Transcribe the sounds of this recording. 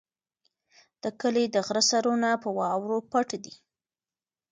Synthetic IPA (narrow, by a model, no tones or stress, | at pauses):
d̪̥əkəled̪əɣɾasaɾonapəwɑwɾopaʈad̪i